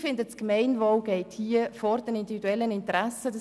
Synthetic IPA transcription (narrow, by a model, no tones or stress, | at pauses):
fɪndəskmɛɪnvɔwɡ̥ɛɪthiəfɔɾd̥ɛnɪndividuɛlːənɪntɾasədə